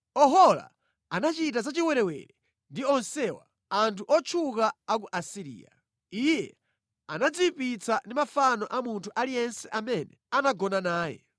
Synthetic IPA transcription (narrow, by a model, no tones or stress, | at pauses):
ɔɦɔla̰ | anat͡ʃitazat͡ʃiwɛɾɛwɛ̰ɾɛ | ndiɔnsɛwa̰ | antʰuʔɔt͡ʃʰukaak̬uʔasiɾḭːja̰ | ijɛ | anad͡ziwipit͡sandimafanɔʔamuntʰuʔalijɛnsɛʔamɛnɛanaɡɔnanaːjɛ̰